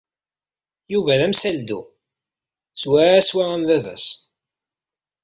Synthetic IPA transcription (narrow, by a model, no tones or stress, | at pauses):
juvæðæmsæld̪u | swææswææmvævæ̰s